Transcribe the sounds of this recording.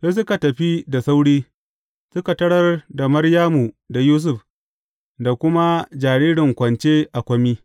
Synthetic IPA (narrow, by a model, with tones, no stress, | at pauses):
se˦s̬ʊ˦ka˨tɐ˨ɸi˦da˨sa˦wɽiː˦ | sʊ˦ka˨tɐ˦ɽɐ˦rda˨mɐ˦rjaː˦mu˨ | da˨juː˦s̬ʊ˨ɸ | da˨kʷʊ˦ma˦d͡ʒaː˨ɽiː˦ɽɪ˨ŋkʷɐ˨nt͡ʃeː˦ʔa˨kʷɐ˦miː˦